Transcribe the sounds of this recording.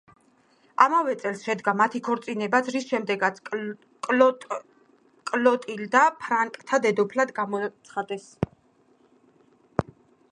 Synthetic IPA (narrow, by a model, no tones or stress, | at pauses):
amavɛt̪sʼɛlsʃɛd̪ɡamat̪ʰikʰɔɾt̪sʼinɛbat̪sʰɾisʃɛmd̪ɛɡat̪sʰ | kʼ | kʼlɔt̪ʼild̪apʰɾaŋkʼt̪ʰad̪ɛd̪ɔpʰlad̪ɡamɔt̪sʰχad̪ɛs